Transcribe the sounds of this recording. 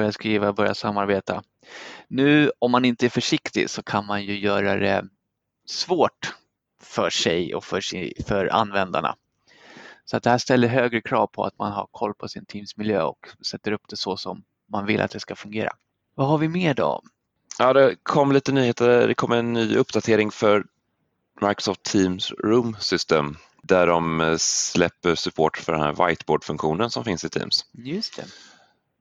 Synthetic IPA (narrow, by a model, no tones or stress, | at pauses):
ɾjaskɾiːvabœɾjasamːaɾbeːt̪a | nʉ̟ːɔmːanɪnt̪əæɾfœʂɪkt̪ɪ̰sɔkʰanmanjɵjœːɾad̪ɛ̰ | svoːʈ | fœʂɛjɔ̰fœʂɪfœɾa̰nvɛnd̪a̰ɳa̰ | sɔat̪̚d̪ɛhæːʂt̪ɛlːəɾɦøːɡɾəkʰɾɑːvpʰɔ̰a̰t̪manɦa̰ɾkʰɔlːpʰɔsɪnt̪ʰiːmsmɪljøːɔ̰ksɛt̪ːəɾɵpːd̪̥ɛsɔsɔmː | anvɪlʔat̪̚d̪ɛskafɵŋɡeːɾa̰ | vaɦaɾvɪmeːɖɔ̰ɔ̰m | jɑːd̪ɛkʰɔmːliːt̪ənyːheːt̪əd̪ɛkʰɔmːɛnːyːɵpːd̪at̪ʰeːɾɪŋfœɾ | maɾksɔft̪ʰːiːmsɾuːmsʏst̪ḛːm | d̪æɖɔmslɛpːəʂɵpʰoːʈfœɖɛnhæ̰ɾva̰jt̪boːɖfɵŋkɧuːnənsɔmfɪnsɪt̪ʰḭːmsjɵst̪ʰɛ̰